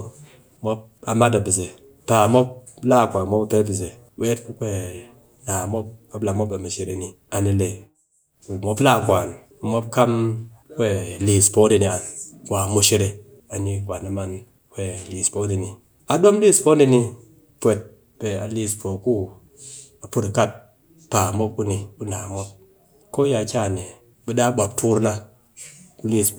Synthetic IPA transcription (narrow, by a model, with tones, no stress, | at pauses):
mo˦p̚ | a˨ma˦da˨bi˨ze˨ | pa˨mo˦p̚la˦˨kʷa˨n˨mo˦ba˦˨pe˦bi˨z̬e˨ | we˦tku˦kʷe˦ | na˨mo˦p̚a˨bla˨mo˦be˨mu˨ʃe˨ɾe˨ni˨ | a˨ni˨le˨ | ku˨mo˦pla˦˨kʷa˨n˨ | mo˦p̚ka˦mkʷe˦˨liː˨spo˦di˨ni˨a˨nwa˨mu˨ʃe˦ɾe˨ | a˨ɲi˨ɡʷa˨na˨ma˦n | we˦˨li˨spo˨˦di˨ni˨ | a˨ɗo˦m˦li˦˨spo˦ndi˦ni˧˦ | pʷe˨t̚ | b̥e˨a˨li˧spo˨ku˦ | a˨pu˦ɾa˨ka˦t̚ | pa˨mo˦p̚u˦ni˨bu˦na˨mo˦p̚ | ko˦ja˨kʲa˦˨ne˨ | bi˦da˦ɓa˨p̚tʰu˦ɾna˧ | ku˦li˦˧s